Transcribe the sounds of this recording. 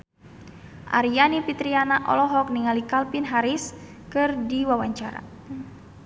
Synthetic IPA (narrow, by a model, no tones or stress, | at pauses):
ʔa̰ɾianipit̪ɾianaʔɔ̰lɔɦɔk̚niŋalikalpinɦaɾis | kɨrdiwawaɲt͡ʃaɾa̰